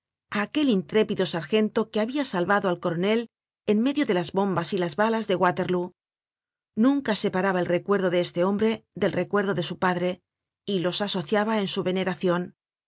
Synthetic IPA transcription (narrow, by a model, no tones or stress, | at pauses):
aːke̞lint̪ɾe̞piðo̞saɾxe̞nt̪o̞ke̞aβiasalβaðo̞alko̞ɾo̞ne̞l | enme̞ðjoðe̞lazβo̞mbasilazβalazðe̞ɣwat̪e̞ɾlu | nũŋkase̞paɾaβaelre̞kwe̞ɾðo̞ðeest̪e̞o̞mbɾe̞ðe̞lre̞kwe̞ɾðo̞ðe̞supaðɾe̞ | ilo̞saso̞θjaβaensuβe̞ne̞ɾaθjo̞n